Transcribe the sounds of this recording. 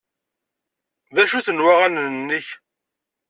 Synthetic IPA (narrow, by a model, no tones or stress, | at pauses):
ðæʃuθənwaʁænnːəç